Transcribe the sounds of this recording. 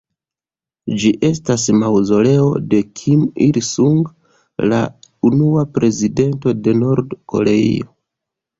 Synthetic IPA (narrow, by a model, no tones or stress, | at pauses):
d͡ʒiʔe̞stasmawzo̞le̞o̞̰de̞kʰimiɾsuŋɡ | launuapɾe̞zide̞nto̞de̞no̞ɾdko̞̰ɾe̞ḭo